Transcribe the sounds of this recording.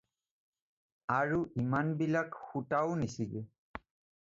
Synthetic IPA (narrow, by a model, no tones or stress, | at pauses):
aɹuʔimanbilakxutaʊnisiɡɛ